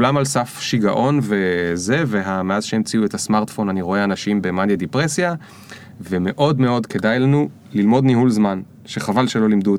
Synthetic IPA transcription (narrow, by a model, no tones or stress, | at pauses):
lamalsafʃiɡaʔo̞nve̞ze̞ve̞ɦameaz̥ʃeemt͡siuetasmaʁt̪fo̞naniʁo̞eanaʃimbemanjedipʁesja | ve̞me̞ʔo̞dme̞o̞dke̞dajlanu | lilmo̞dniɦulzman | ʃe̞χavalʃe̞lo̞limdu